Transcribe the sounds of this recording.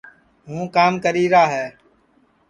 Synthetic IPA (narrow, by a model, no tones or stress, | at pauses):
ɦũːkaːmkəɾiːɾaːɦɛː